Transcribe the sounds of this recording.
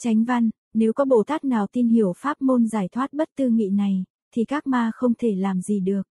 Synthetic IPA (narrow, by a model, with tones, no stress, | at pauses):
t͡ɕa˨˦jŋ̟va˧n | ne˨˦wkɔ˨˦ɓo̰˧˨t̪aː˦˥k̚naː˨˩wt̪i˧nhi˧˩əwfaː˦˥p̚mo˧nzaː˧˩jt̪ʰwaː˦˥t̚ɓə˦˥t̚t̪ɨ˧ŋḭ˧˨na˨˩j | t̪ʰi˨˩kaː˦˥k̚maː˧xə˧wŋ͡mt̪ʰe˧˩laː˨˩mzi˨˩ɗɨ˨˩ək̚